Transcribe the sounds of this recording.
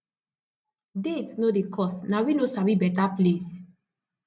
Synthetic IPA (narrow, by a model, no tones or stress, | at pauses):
detnodekʰɔsnawinosabibɛtaples